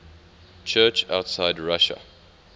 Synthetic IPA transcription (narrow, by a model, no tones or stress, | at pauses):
t͡ʃʰɜːˑt͡ʃaʊtsaɪdɹaʃə̰